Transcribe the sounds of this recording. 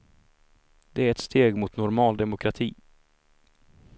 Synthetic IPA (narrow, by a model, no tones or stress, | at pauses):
d̪̥ɛæɾɛt̪st̪ʰeːɡmʊt̪nʊɾmɑːld̪ɛmʊkʰɾat̪ʰiː